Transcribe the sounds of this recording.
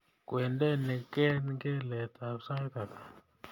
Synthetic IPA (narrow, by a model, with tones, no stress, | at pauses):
kwɛ˨ndɛ˦nɛ˨kɛ˦nɡɛ˦lɛ˨t̪a˨sa˦t̪a˨t̪a˨